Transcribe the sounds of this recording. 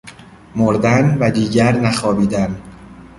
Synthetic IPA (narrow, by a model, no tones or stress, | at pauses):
moɾd̪ænvæd̪iːɟæɾnæxɒːbiːd̪æn